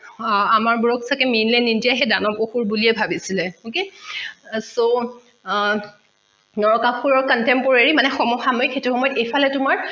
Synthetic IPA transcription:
amaɹbuɹoksakɛminlɛnindijaɦɛdanɔpoxuɹbuliɛbʱabisilɛoke | so | nɔɹɔkaxuɹɔɹkɔntɛmpɔɹeɹimanɛxɔmuxamɔjɔxetuxɔmɔjɔtejpʰalɛtʊmaɹ

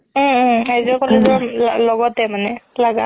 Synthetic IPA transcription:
azɔkɔlɛzɔmalɔɡɔtɛmanɛlaɡa

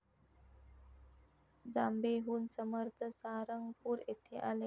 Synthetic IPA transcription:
d͡zambeɦuːnsəməɾt̪ʰəsaɾəŋɡpuːɾet̪ʰeʔale

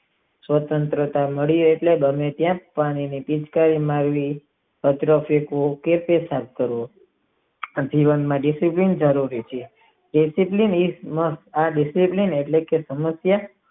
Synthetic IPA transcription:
sʋət̪ənt̪ɾət̪aməɭijoeʈlebəmet̪jãpaɽ̃inipit͡ʃkaɾimaɾʋi | ət̪ɾəfekokepesap̚kəɾʋõ | d͡ʒiʋənmãɖisiplind͡ʒəɾuɾit͡ʃʰe | ɖisiplinisməsaɖisiplineʈlekesəməsja

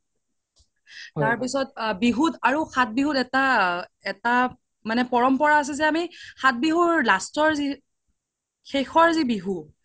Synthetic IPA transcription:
aɹpisɔtbiɦutaɹuxʰat̚biɦutɛtaɛta | manɛpɔɹɔmpɔɹaːs̬ɛzɛamixʰat̚biɦuɹlastɔɹzi | xexʰɔɹzibiɦu

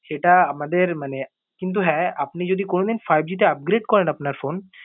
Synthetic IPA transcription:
ʃeʈaamad̪eɾmane | kint̪̬uɦɛapnid͡ʒod̪ikonod̪infʰajb̚d͡ʒit̪̬eap̚ɡɾeɖ̚kɔɾɛnapnaɾfʰon

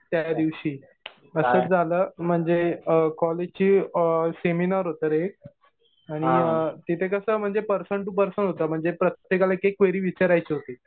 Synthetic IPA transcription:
t̪jad̪iʋɕiː | əsət͡sd͡zʱaləːm̤əɳd͡zekɔled͡ʑt͡ɕiːseminaɾɦot̪əɾek̚ | aɽ̃it̪it̪ʰekəsəːm̤əɳd͡zepəɾsəɳʈːup̬əɾsəɳɦot̪əm̤əɳd͡zepɾət̪jekalaekekʋeɾiːʋit͡ɕaɾajt͡ɕiɦot̪e

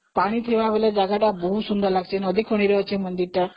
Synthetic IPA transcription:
paɽ̃it̪ʰeʋaʋelad͡zaɡaʈ̪abʱusund̪əɾlaɡt͡ɕenɔd̪ikʰoɽ̃iɾeət͡ɕemənd̪iɾt̪a

